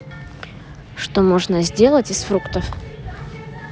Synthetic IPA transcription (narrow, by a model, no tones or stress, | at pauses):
ʂt̪omoʐnəzʲdʲe̞lˠətʲɪsfɾukt̪əf